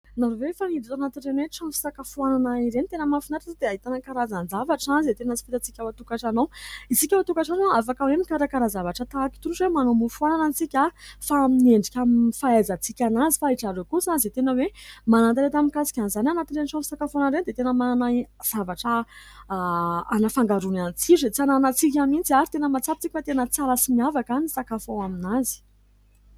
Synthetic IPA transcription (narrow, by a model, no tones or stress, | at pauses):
naɾovefanid̪izanat̪inrenweʈ͡ʂanfi̥sakəfuananaiɾent̪enəmanfinaɾazad̪eaɦit̪anəkaɾazand͡zavaʈ͡ʂanziet̪enazi̥fit̪at͡sikʲawat̪ukaʈ͡ʂanowisikʲawat̪ukaʈ͡ʂanoafakawemnikaɾakaɾazavaʈ͡ʂət̪aki̥t̪unuʈ͡ʂwemanomufuananant͡sikʲafaamineɳɖ͡ʐikʲamifaazat͡sikʲanazifaiʈ͡ʂaɾokusanzet̪enəwemanant̪aɾet̪amikasi̥kʲanizananat̪iɾeniʈ͡ʂanisakafonaɾend̪et̪enəmananaz̥avaʈ͡ʂə | anafaŋɡaɾunanit͡siʈ͡ʂet͡sananat͡sik̬ʲamint͡siaɾit̪enəmat͡sapi̥t͡sikʲifat̪enət͡salasimiavakanisakafowaminazi̥